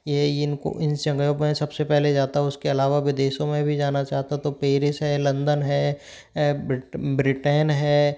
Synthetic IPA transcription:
jeɪnko̰ʔɪnt͡ʃɐ̃ŋɡjõmẽsɐbsepɛɦled͡ʒaːt̪aɦɛʊskeɐlaːʋaʋɪd̪eːʃõmẽbʱid͡ʒaːnat͡ʃaːɦt̪at̪opeːɾɪsɦɛːlɐ̃nd̪ənɦɛː | bɾɪʈeːnɦɛː

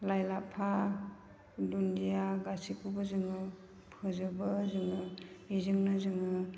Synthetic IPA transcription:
lajlapʰa | dundijaɡasikʰubɯzɯŋɯ | pʰɯzɯbɯzɯŋɯizɯŋnɯzɯŋɯ

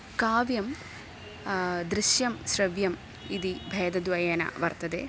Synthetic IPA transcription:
kaːʋjɐm | d̪ɾiʃjɐmɕɾɐʋjɐm | id̪ibʱeːd̪ɐd̪ʋɐjɐnɐ̰ʋɐrt̪ɐd̪ḛː

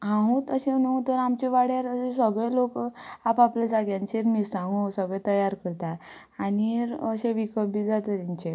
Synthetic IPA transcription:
ɦãɦũt̪əɕenəũt̪əɾamt͡ɕeʋaɽjaɾəsesəɡɭelokapaplad͡zaɡjãɲt͡ɕeɾmisãŋɡusəɡɭẽt̪əjaɾkəɾt̪a | aniəɕeʋikəbid͡zat̪ət̪int͡ɕe

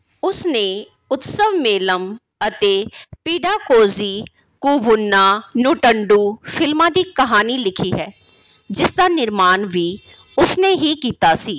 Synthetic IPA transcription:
ʊsneː | ʊt̪səʋmeːləm | ət̪eːpiːɖaːkoːziː | kuːbʊnːaːnuːʈəɳɖuːfʰɪlmãːd̪iːkəɦaːnilɪkʰiːɦɛː | d͡ʒɪsd̪aːnɪɾmaːnʋiː | ʊsneːɦiːkiːt̪aːsiː

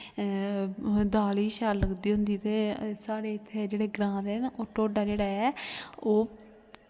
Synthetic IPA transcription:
d̪aːliːʃaːlləkd̪iːɦʊ̃nd̪iːt̪eːsaːɽeːɪt̪ʰːeːd͡ʒeːɽeːɡɾãːd̪eːnoːʈoːɖaːd͡ʒeːɽaːɛːoː

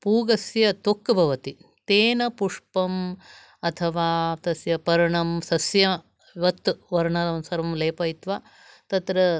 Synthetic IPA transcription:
puːɡɐsjɐt̪okːɐbʱɐʋɐt̪it̪eːnɐpuʂpɐm | ɐt̪ʰɐʋaːt̪ɐsjɐpɐɾɐɳɐmsɐsjɐ | ʋɐt̪ːʋɐɾɳɐd̪ɐnsɐɾʋɐmleːpɐit̪ʋaː | t̪ɐt̪ɾɐ

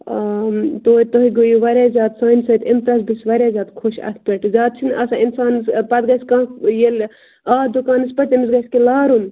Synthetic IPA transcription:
t̪oːit̪oɦiɡojuʋɐɾʲazaːt̪sɐːnsɐt̪emt̪ɾɐsbisʋɐɾʲaːzaːt̪kʰoʃɐ̰t̪ʰpʲeʈzaːt̪̚t͡ʃʰinɐsãːinsaːnspɐt̪ɡɐskãːjel | ad̪ukaːnɨspɐt͡ʃemis̬ɡɐskelaːɾun

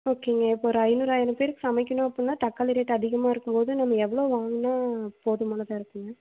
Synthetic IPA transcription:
oːkeːŋɡɐɪpːoːɾɯɐɪnuːɾaːjɐɾɐmpeːɾɯkːɯ̥sɐmɛɪkːɐnʊ̃ɐpːɐɽɯnːaːʈɐkːaːlɪɾeːʈːɐðɪɣɐmaːɪɾɯkːɯmpoːðɯnɐmːɐɛʋːɐɭoːʋaːŋɡɐnːaːpoːðɯmaːnɐðaɪɾɯkːɯŋɡɐ

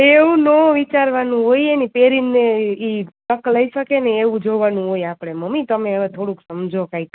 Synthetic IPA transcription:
eʋũnoʋit͡ʃaɾʋanũɦoienipeɾinːeit̪əkləiʃəkeneːʋũd͡ʒoʋanũɦoiapɽeməmːit̪əmeːʋat̪ʰoɽuksəmd͡ʒʱokaik

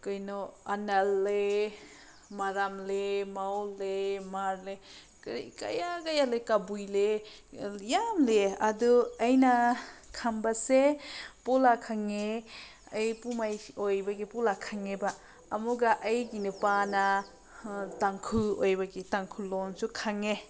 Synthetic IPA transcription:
kɯjnɔanalːe | maɾamlemawlemaɾle | kɾika̰jaɡajalekabujle | jamleaduajnakʰambasepɔlakʰaŋe | ajpumajojbaɡipulakʰaŋebaː | muɡaʔajɡinɯpana | taŋkʰuojbaɡitaŋkʰulonsukʰaŋe

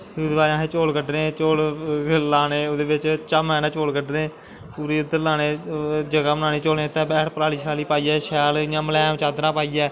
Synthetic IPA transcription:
ʊd̪ʋaːãːɦeːt͡ʃoːlkəɖneːt͡ʃoːllaːneːoːd̪eːʋɪt͡ʃt͡ʃamɛːnãːt͡ʃoːlkəɖnẽː | puːɾiːɪd̪əɾlaːneːd͡ʒəɡaːmənãːneːt͡ʃoːlneːt̪ɛ̃ːbɛːʈʰpəɾaːliːsaːliːpaːiːɛːʃɛːlɪãːməlɛ̃ːmt͡ʃaːd̪nãːpaːiːɛː

